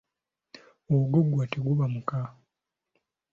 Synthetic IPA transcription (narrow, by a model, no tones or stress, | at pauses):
oɡoɡwateɡuβamuka